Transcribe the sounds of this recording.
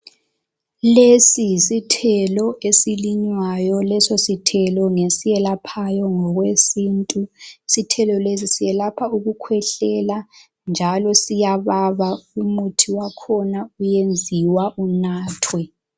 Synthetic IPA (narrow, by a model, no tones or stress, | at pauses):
lesiisitʰɛlɔesiliɲwajɔlɛsositʰɛlɔŋesijɛlapʰajɔŋɔɣwesintʼuisitʰɛlɔles̬isijɛlapʰauɣukʰwɛɬɛla | nd͡ʒʱalɔsijaβaβaumutʰiwakʰɔnaujend͡zʱiwaʔunaːtʰwɛ